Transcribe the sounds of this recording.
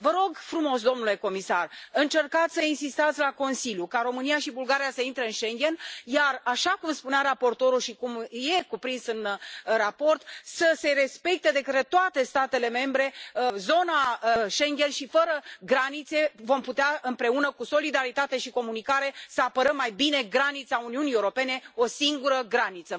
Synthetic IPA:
vəɾo̞ɡfɾumo̞sd̪o̞mnule̞ko̞misarɨnt͡ʃe̞rkat̪sʲsəinsist̪at̪sʲlako̞nsilʲjukaɾo̞mɨnijaʃibulɡaɾijasəint̪ɾəɨnʃe̞ŋɡʲe̞njaraʃakumspuneaɾapo̞rt̪o̞ɾuʃikumje̞kupɾinsɨnrapo̞rt̪səse̞ɾe̞spe̞k̚t̪e̞d̪e̞kət̪ɾet̪oat̪e̞st̪at̪e̞le̞me̞mbɾe̞əzo̞naəʃe̞ŋɡʲe̞nʃifəɾəɡɾanit̪se̞vo̞mput̪eaɨmpɾe̞unəkuso̞lid̪aɾit̪at̪e̞ʃiko̞munikaɾe̞səapəɾəmːajbine̞ɡɾanit̪sauniuniewɾo̞pe̞ne̞o̞siŋɡuɾəɡɾanit̪sə

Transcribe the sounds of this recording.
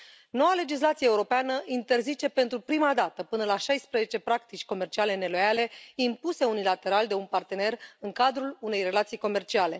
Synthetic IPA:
no̞wale̞d͡ʒis̬lat̪sijeeuɾo̞peanəʔint̪e̞rzit͡ʃe̞pe̞nt̪ɾupɾimad̪at̪əpɨnəlaʃajspɾeze̞t͡ʃe̞pɾak̚t̪it͡ʃʲko̞me̞rt͡ʃiale̞ne̞lo̞jale̞impuse̞unilat̪e̞ɾald̪e̞unpart̪e̞ne̞rɨŋkad̪ɾulune̞jre̞lat̪sijko̞me̞rt͡ʃiale̞

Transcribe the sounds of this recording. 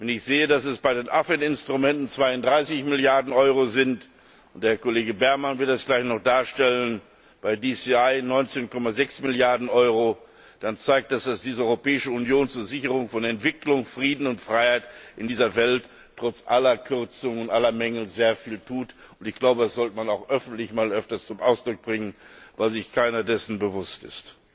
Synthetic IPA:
vɛnɪçz̥eːədasɛsb̥aɪdeːnʔafɛtɪnstʁ̥umɛntn̩t͡sv̥aɪʊntd̥ʁaɪsɪçmɪljaɐdn̩ʔɔʏʁozɪnt | ʊntd̥eːɐkoleːɡəbɛɐmanvɪɐtd̥asɡ̥laɪçnɔχd̥aːɐʃtɛlən | b̥aɪdisiaɪnɔʏnt͡seːnkɔmazɛksmɪljaɐdn̩ʔɔʏʁo | d̥ant͡saɪk̚t̚d̥asd̥asd̥iːzəʔɔʏʁopɛːɪʃəunjoːnt͡suːɐzɪçəʁ̞ʊŋfɔnɛntv̥ɪklʊŋfʁ̥iːdn̩ʊntfʁ̥aɪhaɪtʔɪndiːzɐvɛlt | tːʁ̥ɔt͡sʔalɐkʰʏɐt͡sʊŋʊntʔalɐmɛŋl̩zeːɐfiːltʰuːtʊntɪçɡ̥laʊbədasz̥ɔltəmanaʊxʔœfn̩tlɪçmaːlʔœftɐst͡sʊmʔaʊsd̥ʁʊk̚b̥ʁɪŋənvaɪzɪçkʰaɪnɐdɛsn̩bəvʊstɪ̰st

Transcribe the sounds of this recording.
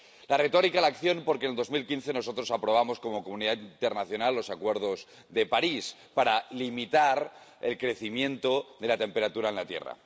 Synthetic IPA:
lare̞t̪o̞ɾikaelakθjo̞npo̞ɾkeneld̪o̞zmilkinθe̞no̞so̞t̪ɾo̞sapɾo̞β̞amo̞sko̞mo̞komũniðaint̪eɾnaθjo̞nalːo̞sakwe̞ɾð̞o̞z | ðe̞paɾis | paɾalimit̪aɾe̞lkɾe̞θimjẽ̞nt̪oðe̞lat̪e̞mpe̞ɾat̪uɾaenlat̪je̞̰ra̰

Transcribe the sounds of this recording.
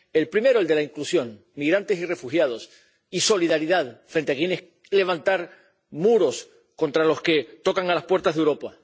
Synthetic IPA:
e̞lpɾime̞ɾoeld̪e̞laiŋklusjo̞ŋ | miɣɾant̪e̞sire̞fuxjað̞o̞s | iso̞liðaɾiðaðfɾe̞nt̪eakje̞nes | le̞βant̪aɾ | muɾo̞s | ko̞nt̪ɾalo̞ske̞t̪o̞kaŋalaspwe̞ɾt̪azðewɾo̞pa

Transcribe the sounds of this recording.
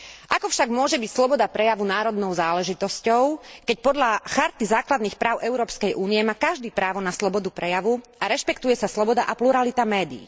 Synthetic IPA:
ʔakɔfʃaɡmʊɔʒɛbicslɔbɔd̪apɾɛjaʋunaːɾɔd̪nɔʊzaːlɛʒit̪ɔscɔʊkɛcpɔd̪ʎaxaɾt̪izaːklad̪niːxpɾaːʊʔɛʊɾɔːpskɛjʔuːnijɛmaːkaʒd̪iːpɾaːʋɔnaslɔbɔd̪upɾɛjaʋuʔaɾɛʃpɛkt̪ujɛsaslɔbɔd̪aʔapluɾalit̪amɛːd̪ḭː

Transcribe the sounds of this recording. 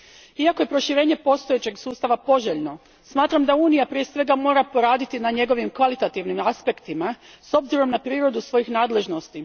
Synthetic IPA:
iakoje̞pɾo̞ʃiɾe̞ːɲe̞po̞st̪ojet͡ɕe̞ɡsuːst̪aʋapo̞ʒeʎno̞ | smaːt̪ɾamd̪auːnijapɾije̞sʋe̞ɡamo̞ːɾapo̞ɾaːd̪it̪inaɲe̞ɡo̞ʋimkʋalit̪at̪iʋnimaspe̞kt̪imaso̞bziɾo̞mnapɾiːɾo̞d̪usʋo̞jixnaːd̪le̞ʒno̞st̪i

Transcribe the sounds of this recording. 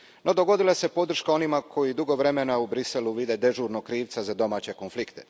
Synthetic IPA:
no̞d̪o̞ɡo̞d̪ilase̞po̞d̪r̩ʃkao̞nimakʰo̞jid̪uɡo̞ʋɾe̞menaubɾise̞luʋid̪e̞d̪e̞ʒuːɾnokɾiːʋt̪sazad̪o̞maːt͡ɕeko̞nflikt̪e̞̥

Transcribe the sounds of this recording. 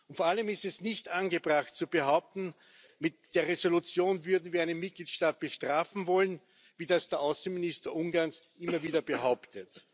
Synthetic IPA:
ʊntfoːɐaləmɪstɛsnɪçtʔanɡəbʁaxt̚t͡sub̥əɦaʊp̚t̪n̩ | mɪtd̥eːɐʁezolut͡sjoːnvʏɐdn̩viːɐæɪnənmɪt̚ɡ̥liːtʃtaːt̚b̥əʃtʁ̥aːfn̩vɔlən | viːdasd̥eːɐʔʊsn̩mɪnɪstɐʔʊŋɡaɐnsʔɪmɐviːdɐbəɦaʊptət

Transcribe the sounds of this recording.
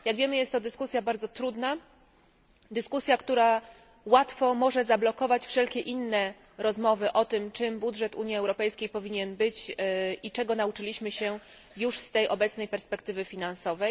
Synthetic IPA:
jaɡvʲjɛmɘjɛst̪ːɔd̪ɘskusʲjabaɾd̪ɔt̪ɾud̪na | d̪ɘskusʲjakt̪uɾa | wat̪fɔmɔʐɛzablɔkɔvat͡ɕfʂɛlkʲɛʔinːɛ | ɾɔzmɔvɘʔɔt̪ɘmt͡ʂɘmbudʐɛt̪uɲjiɛwɾɔpɛjskʲejpɔvʲiɲɛnbɘt͡ɕit͡ʂɛɡɔnaut͡ʂɘlʲiɕmɘɕɛ | juʂst̪ɛjʔɔbɛt̪snɛjpɛɾspɛkt̪ɘvɘfʲinansɔvɛj

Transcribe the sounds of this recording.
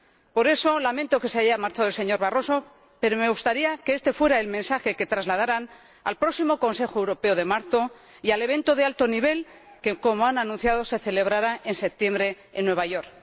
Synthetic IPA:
po̞ɾe̞so̞lamẽ̞nt̪o̞ke̞seaʝamaɾt͡ʃaðoelse̞ɲo̞ɾβaro̞so̞ | pe̞ɾo̞me̞ɣust̪aɾiakeest̪e̞fwe̞ɾaelmẽ̞nsaxe̞ke̞t̪ɾazlaðaɾan | a̰lpɾo̞ksimo̞ko̞nse̞xoewɾo̞pe̞oðe̞maɾθo̞ | iale̞β̞ẽ̞nt̪o̞ðealt̪o̞niβ̞e̞l | keko̞moananũnθjaðo̞se̞θe̞le̞β̞ɾaɾae̞nse̞p̚t̪je̞mbɾe̞ːnːwe̞β̞aʝo̞ɾk

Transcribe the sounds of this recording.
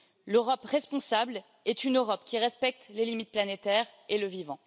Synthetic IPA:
løʁɔpʁɛspɔ̃sabl | ɛt̪ynøʁɔpkʲiʁɛspɛk̚t̪lelimit̪̚planet̪ɛʁeləvivɑ̃

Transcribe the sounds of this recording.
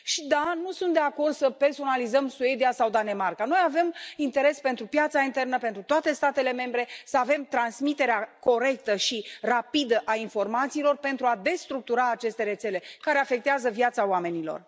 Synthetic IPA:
ʃid̪anusunt̪̚d̪eako̞rd̪səpe̞rso̞nalizəmsue̞d̪iasawd̪ane̞markano̞jave̞mint̪e̞ɾe̞spe̞nt̪ɾupjat̪saint̪e̞rnəpe̞nt̪ɾut̪oat̪e̞st̪at̪e̞le̞me̞mbɾe̞səave̞mt̪ɾansmit̪e̞ɾeako̞ɾe̞k̚t̪əʃirapid̪əʔainfo̞rmat̪siːlo̞rpe̞nt̪ɾuad̪e̞st̪ɾuk̚t̪uɾaːt͡ʃe̞st̪e̞ɾe̞t̪se̞le̞kaɾe̞afe̞k̚t̪eazəvjat̪saoame̞nilo̞̰r

